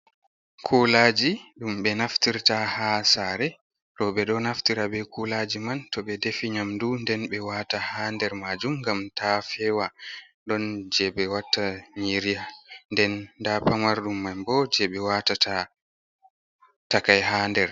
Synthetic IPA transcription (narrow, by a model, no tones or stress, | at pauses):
kʰulad͡ʒiɗumɓɛnaftiɾtahasaɾɛ | ɾɔɓɛɗɔnaftiɾaɓɛkʰulad͡ʒimantɔɓɛdefiɲamdundɛnɓɛwatahandɛɾmad͡ʒumɡamtafɛwa | ɗɔnd͡ʒɛɓɛwatːaɲiɾijandɛnːdapamaɾɗumːajbɔd͡ʒɛɓɛwatatʰa | takajɦaːndɛɾ